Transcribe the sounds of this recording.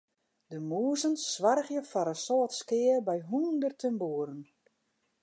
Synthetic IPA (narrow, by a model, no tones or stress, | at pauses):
dəmuəzənsʋarɣjəfɔɾəsɔːtskɪərbɛjɦundərtʰəmbuːəɾən